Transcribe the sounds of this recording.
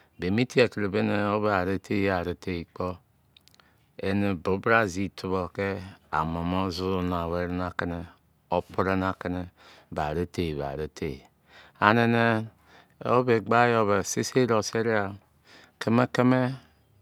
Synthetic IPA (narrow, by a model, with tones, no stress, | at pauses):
be˨mi˦tʰi˦e˨kɾe˨be˦ne˨o˦βe˦a˨ɾe˦tʰe˦a˨ɾe˨te˦˨i˨k͡po˦ | e˦ne˨bo˨˦bɾa˦zi˦tʰu˦βo˨ke˦a̰˨mo˨mo˦zu˦na˨we˦ɾe˦na˨ke˦ne˦ | o˦pɾe˦na˨ke˦ne˦ | ba̰˨ɾe˦te˨βa̰˨ɾe˦tʰḛ˨ | a˨ne˨ne˦ | o̰˦be˨ɡ͡ba˦jo˦βe˨si˦se˦ɾo˨se˦ɾi˦a˨ | ke˦me˦ke˦me˦